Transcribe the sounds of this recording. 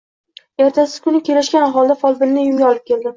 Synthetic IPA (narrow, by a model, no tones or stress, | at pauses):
e̞ɾt̪ʰasɪz̥kʰʊnɪkʲe̞lɪʃkʲanaχɒlˠd̪afɒlˠbɪnnɪjʊŋɡʲaɒlɪp̚kʲʰe̞ld̪ɪ